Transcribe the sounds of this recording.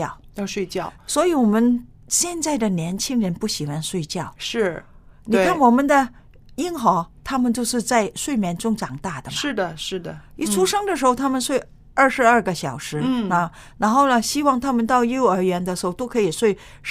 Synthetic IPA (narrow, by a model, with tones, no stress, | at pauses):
ɑ˥˩ʊjɑ˥˧ʂwe˥˧ɪt͡ɕjɑ˥˩ʊswɔ˧˥i˧˥wɔ˨˩mə˦n | ɕjɛ˥˧nt͡sa˥˩ɪd̪ə˩njɛ˧˥nt͡ɕʰi˥ŋɻə˧˥npu˥˩ɕi˨˩xwa˧˥nʂwe˥˧ɪt͡ɕjɑ˥˩ʊʂɻ̩˥˩ni˨˧kʰa˥˩nwɔ˨˩mə˧˦nd̪ə˧ | i˥nxɑ˧˥t̪ʰa˥mə˨nt͡ɕjo˥˧ʊʂɻ̩˥˧t͡sa˥˧ɪʂwe˥˩ɪmjɛ˧˥nʈ͡ʂʊ˥ŋʈ͡ʂɑ˨˩ŋt̪a˥˩d̪ə˩ʂɻ̩˥˩d̪ə˩ʂɻ̩˥˩d̪ə˩i˥˩ʈ͡ʂʰu˥ʂɤ˥ŋd̪ə˨ʂɻ̩˧˥xo˥˧ʊt̪ʰa˥mə˨nʂwe˥˧ɪ | ə˞˥˩ʂɻ̩˧˥ɐ˞˥˧˩ɡə˧ɕjɑ˨˩ʊʂɻ̩˧˥ə˧˩ | na˧˥nxo˥˩ʊnə˩ɕi˥wɑ˥˧ŋt̪ʰa˥mə˨nt̪ɑ˥˧ʊjo˥ʊə˞˧˥ɥɛ˧˥nd̪ə˧ʂɻ̩˧˥xo˥˧ʊt̪o˥ʊkʰɤ˧˥i˨˩ʂwe˥˧ɪ